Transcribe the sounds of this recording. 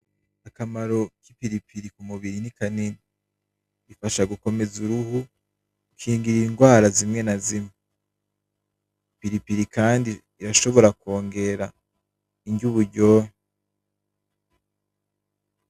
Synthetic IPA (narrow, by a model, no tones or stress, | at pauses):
akamaɾo̞kipiɾipiɾikumuβiɾinikanini | ifaʃaɡuko̞me̞zuɾuhu | ukʰiːŋɡiɾiŋɡwaːɾazimŋe̞nazime | piɾipiɾikaːndiːɾaʃo̞βo̞ɾako̞ːŋɡe̞ɾa | iɲɟuβuɾɟo̞